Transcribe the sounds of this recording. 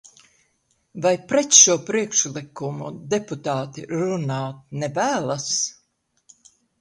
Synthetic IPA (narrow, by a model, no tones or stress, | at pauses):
vajpɾɛt̪ʃuɔpɾiɛkʃlˠikumṵd̪eput̪aːt̪ḭɾunɑːt̪̚nɛvæːlˠas